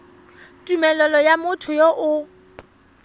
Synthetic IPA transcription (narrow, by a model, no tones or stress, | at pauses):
tʼumɛlɔlɔjamʊtʰʊjɔʔʊ